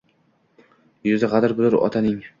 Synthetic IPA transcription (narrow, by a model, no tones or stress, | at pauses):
jʊzɪʁɑd̪ɪɾbʊlɪɾɒ̰t̪ʰanɪŋ